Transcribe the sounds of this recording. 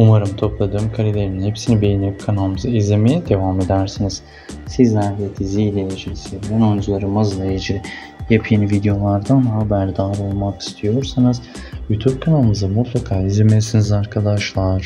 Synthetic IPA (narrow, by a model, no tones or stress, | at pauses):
umaɾɯmt̪ʰo̞plˠad̪ɯːmkʰaɾilʲeɾininhepsinibejinemkʰanalˠɯmɯzaizʲimejɛd̪e̞vame̞d̪æɾsɯniz̥ | siznaɾɦiet̪ʰizilʲejed͡ʒʰisiblʲɛnond͡ʒulˠaɾɯmazlˠajed͡ʒi | japʰijinvid̪ejo̞lˠaɾd̪anɦabæɾd̪aːlˠo̞lˠmaki̥st̪ʰijo̞ɾsanɯz̥ | jut̪ʰub̚kʰanalˠɯmɯzamut̪ʰlˠakʰaːizʲemesinizaɾkʰad̪aʃlˠaɾ̥